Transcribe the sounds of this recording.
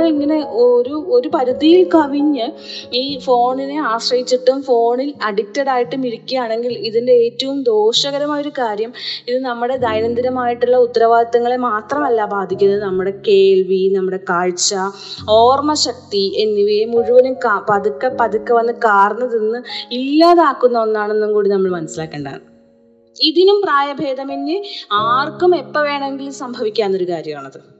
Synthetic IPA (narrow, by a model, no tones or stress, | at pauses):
iŋːɐne̞oɾuo̞ɾupɐɾud̪ijilkɐʋiɲːɨiːfo̞ːɳineaːɕrɐjit͡ɕːiʈːumfo̞ːɳilɐɖik̚tːɐɽaːjiʈːumiɾikʲːujaːɳe̞ŋɡiliðinde̞eːtːɐʋumd̪o̞ːɕɐɣɐɾɐmaːjo̞ɾukaːɾjɐmiðɨnɐmːuɽe̞d̪ɐjnɐnd̪ɐɾɐmaːjiʈːuɭːɐut̪ːɐɾɐʋaːd̪ɐt̪ːɐŋːɐɭemaːt̪rɐmɐlːabaːd̪ʱikʲːunːɐðɨnɐmːuɽe̞ke̞ːɭʋinɐmːuɽe̞kaːɻt͡ɕːɐ | oːrmɐɕɐk̚t̪ienːuʋemuɻuʋɐnumkapɐðukːɐpɐðukːɐʋɐnːɨkaːrɐnːɐðinːɨilːaːðaːkːunːɐenːaːɳenːumkuːɽinɐmːɐɭmɐnɐsilaːkːeːɳɖɐa̰ːɳɨ | iðinumpraːjɐbʱe̞ːd̪ɐmenːɨaːrkːume̞pːɐʋe̞ːɳɐmeŋɡilumsɐmbʱɐʋikʲːaːnːo̞ɾukaːɾjɐmaːɳɐðɨ